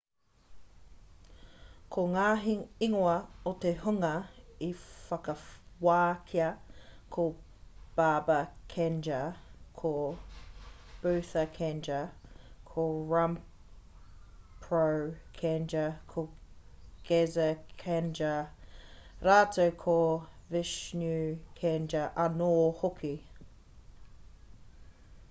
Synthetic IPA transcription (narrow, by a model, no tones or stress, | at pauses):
kʰoŋaːɦiiŋoɐot̪ehuŋɐifɐkɐwaːkʰiɐkʰo | b̥aːbɐkʰɛnd͡ʒɐkʰo | b̥ʉːθɐkʰɛnd͡ʒɐkʰoɹam | pʰɹəkʰɛnd͡ʒəkʰo | ɡ̥ɛzəkʰɛnd͡ʒə | ɾaːtʰəʊkʰovɪʃnʉkʰɛnd͡ʒəʔanoːhʊkʰi